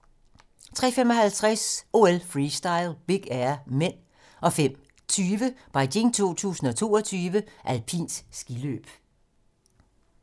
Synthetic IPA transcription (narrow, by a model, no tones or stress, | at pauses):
t͡sʰʁɛ̰femɒ̽hælt͡sʰʁaso̝ːelfʁiːsd̥ɑ̈ɪlb̥iɡ̥æɐmen̰ | ɒ̽fem̰ | t͡sʰyːʋəb̥ɑ̈ɪɡe̝ŋt͡sʰo̝̰ːt͡sʰṵːsn̩ɒ̽t͡sʰo̝̰ːɒ̽t͡sʰyːʋəʔælpʰḭːnsːɡ̥ilø̰ːb̥